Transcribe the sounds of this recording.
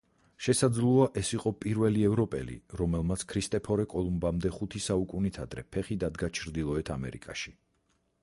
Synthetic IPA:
ʃɛsad̪zlˠuaʔɛsiqʼɔpʼiɾvɛliɛvɾɔpʼɛ̰lḭɾɔmɛlˠmat̪sʰkʰɾist̪ʼɛpʰɔɾɛkʼɔlˠumbamd̪ɛχut̪ʰisaukʼunit̪ʰad̪ɾɛpʰɛχid̪ad̪ɡat͡ʃʰɾd̪ilˠɔɛt̪ʰamɛ̰ɾḭkʼaʃi̥

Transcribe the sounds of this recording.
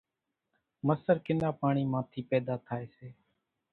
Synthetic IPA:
məsəɾkɪnaːpaːɳiːmãːt̪ʰiːpɛːd̪aːt̪ʰaːeːseː

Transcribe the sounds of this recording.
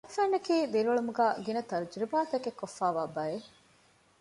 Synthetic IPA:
ɐfæːnːɐkiːd̪iɾʋɐɭumuɡaːɡinɐt̪ɐɾd͡ʒɾibaːt̪ɐkekːofːaːʋaːbɐe

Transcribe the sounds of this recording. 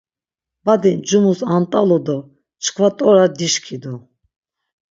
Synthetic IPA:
bad̪ind͡ʒumusant̪ʼalɔd̪ɔ | t͡ʃʰkʰvat̪ʼɔɾad̪iʃkʰid̪u

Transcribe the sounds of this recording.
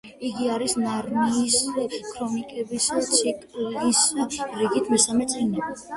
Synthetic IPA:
iɡiaɾisnaɾmiːskʰɾɔnikʼɛbist̪sʰikʼlisɾiɡit̪ʰmɛsamɛt̪sʼɛnɛb

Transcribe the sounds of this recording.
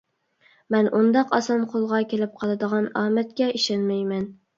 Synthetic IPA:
mɛnʔund̪ɑqɑsɑmqʰolˠʁɑkʲʰelɪp̚qʰɑlˠɨd̪əʁɑnɑːmɛt̪̚kʲɛʔiʃɑnmɛjmɛn

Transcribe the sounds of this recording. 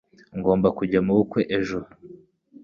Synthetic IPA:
ŋɡo̞ːmbakuɟamuɡukwe̞ʔeʒo

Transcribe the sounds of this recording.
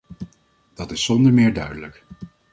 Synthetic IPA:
d̥ɑtɪsːɔndəɹmɪːɹdœɥdələk

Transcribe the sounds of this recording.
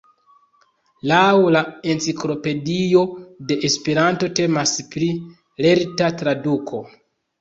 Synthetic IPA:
lawlae̞nt͡siklo̞pe̞dio̞de̞ʔespe̞ɾanto̞te̞maspɾi | le̞ɾtatɾadukʰo̞

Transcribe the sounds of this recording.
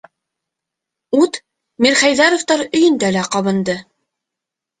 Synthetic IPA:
ut̪ | miɾχæjðɑɾoft̪ɑɾɵ̆jɵ̆nd̪ælæqɑβɤ̆nd̪ɤ

